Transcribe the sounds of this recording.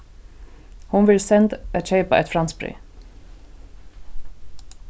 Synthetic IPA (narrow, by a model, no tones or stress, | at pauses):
hʊnʋɪlsɛnt̪æt̪ɕeɪpa̰ʔɛ̰t̪fɾanspɾḭ